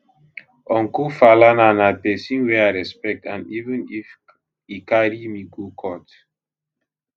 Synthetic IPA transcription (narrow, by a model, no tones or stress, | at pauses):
ɔ̃ŋkofalananapɛsĩnwɛaɹɛspɛk̚tʰãnivə̃nif | ikaɾimiɡokʰɔt